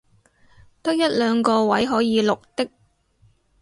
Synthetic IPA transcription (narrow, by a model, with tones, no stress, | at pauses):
t̪ɐ˥k̚jɐ˥t̚lœː˨˧ŋkɔː˧wɐ˨˥jɦɔː˨˥jiː˨˧lʊ˨k̚t̪ɪ˥k̚